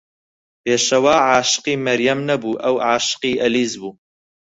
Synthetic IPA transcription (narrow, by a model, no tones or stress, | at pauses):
peːʃɐwaːʕaːʃɨ̥qiːmɐɾjɐmnɐbuːʔɐwʕaːʃɨ̥qiːʔɐliːzbuː